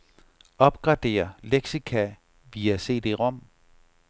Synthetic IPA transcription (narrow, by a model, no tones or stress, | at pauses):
ɒ̽b̥ɡ̥ʁɑ̈d̥e̝̰ːɐleɡ̥sikʰæ | ʋiæse̝̰ːd̥e̝ʁɒ̽m̰